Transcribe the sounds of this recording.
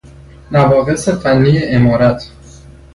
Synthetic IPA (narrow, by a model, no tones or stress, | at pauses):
nævɒːɣe̞se̞fænːiːjeʔemɒːɾæt̪ʰ